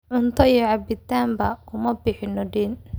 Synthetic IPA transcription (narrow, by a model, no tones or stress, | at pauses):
ʕʊnt̪ʰɐjɛʕɑbɪt̪ʰaːmbɐkʰʊmɐbɪħɪnɔɖiːn